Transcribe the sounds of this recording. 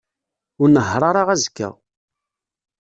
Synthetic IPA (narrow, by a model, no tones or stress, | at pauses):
ʊɾnəɦɾˤɑɾˤaʁæzkːæ̰